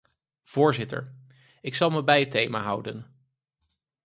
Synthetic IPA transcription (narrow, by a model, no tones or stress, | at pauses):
v̥ʊːɹzɪtə̰ɹ | ɪksɑlˠməbɛjətejma̰ɦʌwdən